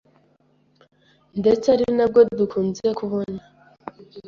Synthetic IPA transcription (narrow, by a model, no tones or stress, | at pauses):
nde̞t͡saɾinab̚ɡodukʰuːnziekʰuβo̞na